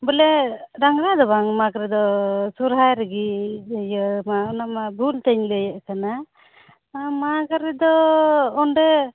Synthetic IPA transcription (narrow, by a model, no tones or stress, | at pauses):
bəlɛɾaŋɾad̪ɔbaŋmakaɾɛd̪ɔsuɾɦajɾɛɡijəmaunamabʱult̪ɛɲləjaʔkana | makaɾɛd̪ɔɔɳɖɛ